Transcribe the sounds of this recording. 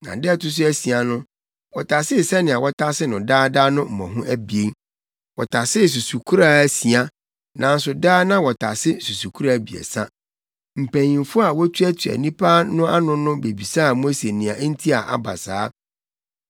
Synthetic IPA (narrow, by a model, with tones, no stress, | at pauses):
nã̰˨dɛ˦˨tʰʊ˦s̬ʊ˦æ˦si˨a˨nʊ̃˦ | wɔ˨tʰa˨sɪ˦˨sɛ˦nɪ̃˨a˨wɔ˦tʰa˦sɪ˦nʊ̃˨daː˦daː˦nʊ̃˦m̩˨mɔ̃˨ɦʊ̃˦ʔæ˦bi˨e˦ŋ | wɔ˨tʰa˨sɪ˦˨s̬u˨su˨kʰu˦ɾa˦æ˦si˨a˦ | nã˨n̩˦sʊ˨daː˦nã˦wɔ˨tʰa˨sɪ˦su˨su˨kʰu˦ɾa˦˨bi˨ḛ˨sa˦ | m̩˨pʰæ̃˨ɲĩ˨nfʊ˦a˨wɔ˦tʰu˦æ˦tʰu˨æ̰˨nĩ˦pʰaː˦nʊ̃˦a˦nʊ̃˦nʊ̃˦be˨bi˨saː˦˨mo˦se˨nɪ̃˨a˨˦n̩˦tʰi˦a˨ʔa̰˨ba̰˨saː˦